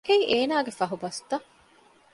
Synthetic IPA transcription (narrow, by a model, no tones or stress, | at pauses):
keiʔeːnaːɡefɐɦubɐst̪ɐ